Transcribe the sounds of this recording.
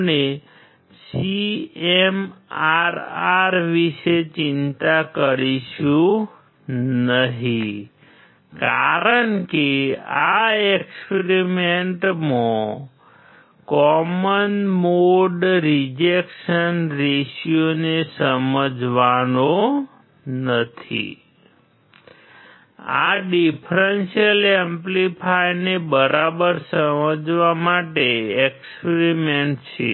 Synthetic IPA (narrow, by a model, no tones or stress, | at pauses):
ne | siemaɾaɾʋiʃet͡ʃɪnt̪akəɾiʃũ | nəɦi | kaɾəɳkeaekspeɾimeɳʈmõ | kɔmənmoɖɾid͡ʒekʃənɾeʃjonesəməd͡ʒʋano | nət̪ʰḭ | a̰ɖipʰɾenʃijəlemplipʰajnebəɾʔabəɾsəməd͡ʒʋamaʈeekspeɾimeɳʈt͡ʃʰḛ